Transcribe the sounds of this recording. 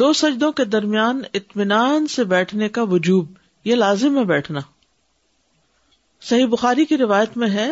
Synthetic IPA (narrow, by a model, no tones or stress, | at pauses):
d̪oːsɐd͡ʒd̪õked̪ɐɾmijaːnɪt̪mɪnaːnsebɛːʈʰnekaʋʊd͡ʒuːb̚ | jelaːzɪmɦɛ̃bɛːʈʰnaː | sɐɦibʊxaːɾikiɾɪʋaːjət̪mẽɦɛː